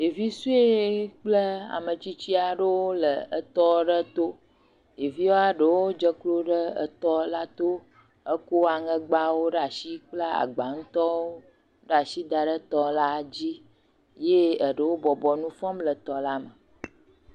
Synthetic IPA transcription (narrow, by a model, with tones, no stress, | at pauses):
je˨vi˦su˦e˦k͡plə˦a̰˨mə˨t͡ɕi˦t͡ɕi˦a˨ɖə˦wo˦lə˨ə˦˨t̪ɔ˦ɖə˦t̪o˦ | je˨vi˦wo˦a˦ɖə˨wo˦d͡ʒə˦klo˦ɖə˦ə̰˨t̪ɔ˦la˦t̪o˦ | ə˦ko˦a˨ŋə̃˦ɡ͡ba˦wo˦ɖa˨si˦k͡plə˦a̰˨ɡ͡ba˨ŋũ˦t̪ɔ˦wo˦ | ɖa˨si˦d̪a˨ɖə˦t̪ɔ˦la˦d͡ʑi˦ | je˦ə˨ɖə˨wo˦bɔ˨bɔ˨nũ˦fɔ̃˦mlə˨t̪ɔ˨la˦mə˨